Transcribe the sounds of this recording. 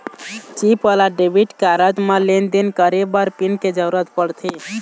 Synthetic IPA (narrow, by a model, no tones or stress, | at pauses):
t͡ʃipʰəlaɖebʱiʈkaɾət̪melend̪inkəɾebəɾpinked͡ʒəɾuɾət̪pəɽt̪ʰi